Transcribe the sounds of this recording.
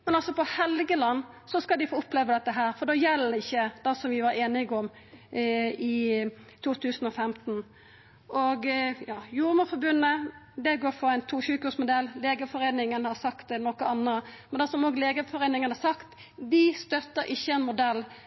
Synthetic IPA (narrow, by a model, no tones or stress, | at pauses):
mɛnɑlsɔpɔhɛlɡəlɑnː | sɔskɑld̪ɪfoːʊpleːʋəd̪ɛt̪ːəɦæːɾfɔɾd̪oːjɛlːəɪçːəd̪̥ɑsɔmʋɪʋɑɾeːnɪɡɔm | ɪ | t̪ʰuːt̪ʰʉːsənɔfɛmt̪n | ʔɔɡjɑːjuːɾməfɔɾbʉnːəd̪ɛɡoːɾfɔæɪnt̪ʰuːçʉːkʉsmʊd̪ɛlleːɡəfɔɾeːnɪŋənhɑɾsɑkt̪nɔkəɑnːəmɛnd̪ɛsɔmoːɡleːɡəfɔɾeːnɪŋənhɑɾsɑkt̪ | d̪ɪst̪œt̪ːəɾʔɪçːəɛnmʊd̪ɛlː